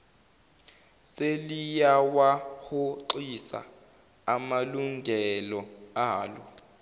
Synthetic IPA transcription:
selijawahoǃisa̰ː | maluŋɡʱɛlɔaːlɔ

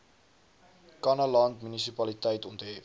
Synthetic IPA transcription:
kɐnɐlɐntmynisipɐlit̪ɛjt̪unt̪e

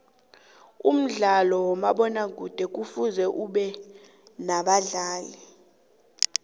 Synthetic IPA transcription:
um̩ɮalɔwɔmaɓɔnaɡʱud̥ʱɛk̬ʼufuzɛʔuɓɛ | naɓaɮaːli

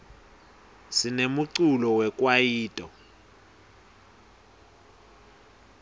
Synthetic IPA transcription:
sinemuǀulɔwɛk̬ʼwajiːtʼɔ

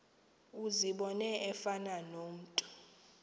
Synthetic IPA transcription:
uziɓɔnɛɛfananom̩ːtʼu̥

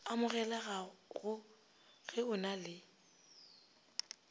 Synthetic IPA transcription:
amʊɣɛlaɣaɣʊ | ɣɪʊnalɪ

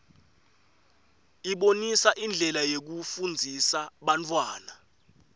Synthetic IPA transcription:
iɓonisaʔind͡ɮʱɛlajek̬ufund͡zʱisaɓant͡fʰʼwaːna

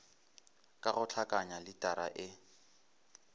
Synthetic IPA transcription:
kʼaɣʊt͡ɬʰakʼaɲalɪtʼaɾa̰ʔɪ

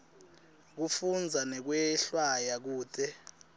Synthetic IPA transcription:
k̬ufund͡zʱanɛk̬wɛɬwajak̬uːtʰʼɛ

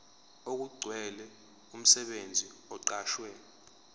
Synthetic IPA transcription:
ok̬uɡ͡ǀʱwɛlɛ | um̩sɛɓend͡zʱiɔǃaːʃwɛ

